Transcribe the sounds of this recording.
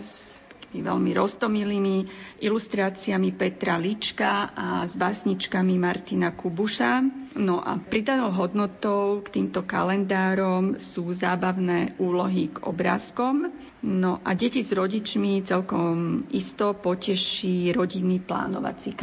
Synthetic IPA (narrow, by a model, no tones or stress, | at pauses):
t̪ḁkimiʋɛ̰lmiɾɔst̪ɔmiliːmiʔilust̪ɾaːt͡siamipɛt̪ɾalit͡ʃkaʔazbasɲit͡ʃkamimaɾt̪inakubuʃanɔʔa̰pɾid̪anɔʊɦɔd̪nɔt̪ɔʊkt̪iːmt̪ɔka̰lɛnd̪aːɾɔmsuːzaːbaʊnɛːʔuːlɔɦiɡɔ̰bɾa̰ːskɔm | nɔʔaɟɛcizɾɔɟit͡ʃmit͡sɛlkɔmʔist̪ɔpɔcɛʃiɾɔɟinːipla̰ːnɔʋa̰t͡sik